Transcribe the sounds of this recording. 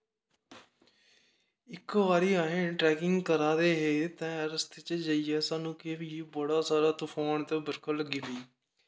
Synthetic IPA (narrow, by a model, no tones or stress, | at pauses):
ɪkːʋaːɾiːaːɦẽːʈɾɛːkɪŋɡkəɾaːd̪eːɦeːt̪ɛ̃ːəɾəst̪t͡ʃd͡ʒaːiːɛːsaːnũːkeːʋiːbəɽaːsaːɾaːt̪ʊfʰoːɳt̪eːbəɾkʰələɡiːbiː